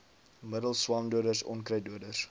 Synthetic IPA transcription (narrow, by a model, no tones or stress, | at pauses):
mədəlˠswɑːnduədərsɔ̰nkrəjduədərs